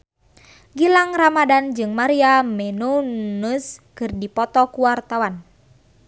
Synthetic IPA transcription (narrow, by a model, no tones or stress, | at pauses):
ɡilaŋramadand͡ʒɨŋmaɾiamɛnunuskɨrdipɔt̪ɔkuwart̪awan